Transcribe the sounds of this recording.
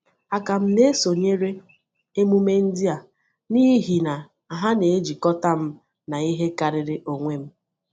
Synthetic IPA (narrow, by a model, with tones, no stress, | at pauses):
a˨ka˨m̩˦ne˦so˨ɲe˦ɾe˦ | e˦mu˦me˦n̩˦dɪ˦a˨ | ni˦ɦi˨na˨ | a˨ɦa˦ne˨e˦d͡ʒi˨kɔ˦ta˦m̩˦ | na˨i˦ɦe˦ka˨ɾɪ˨ɾɪ˦ʔo˨ŋʷe˦m̩˦